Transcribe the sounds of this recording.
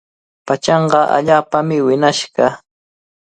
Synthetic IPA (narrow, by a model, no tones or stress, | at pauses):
pat͡ʃɑɴɢɑʔa̰ʎaːpamɪwɪnaʃɢɑ